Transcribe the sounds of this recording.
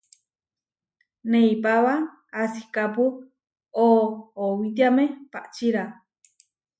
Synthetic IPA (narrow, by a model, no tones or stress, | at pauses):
neipaβaː | si̥kapu | oːwit̪̬jamẽpaʔt͡ʃiɾa